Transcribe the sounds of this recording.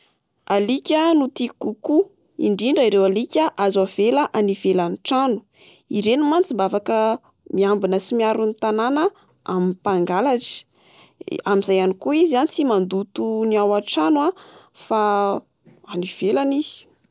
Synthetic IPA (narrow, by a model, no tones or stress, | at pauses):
alikʲənut̪ikuku | ḭɳɖ͡ʐiɳɖ͡ʐəiɾewalikʲəʔazwav̥elaʔanivelaniʈ͡ʂanu̥ | iɾenumant͡simbavakə | miambinəsimiaɾunit̪ananə | a̰mipaŋɡalaʈ͡ʂi̥ | amizajanikuizizanit͡simand̪ut̪uniawaʈ͡ʂanwa | fa | aniv̥elani̥